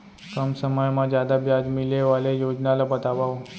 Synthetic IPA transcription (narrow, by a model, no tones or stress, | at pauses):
kəmsəməjmad͡ʑjad̪abjad͡zmileʋalejod͡ʑnalabət̪aʋaʋ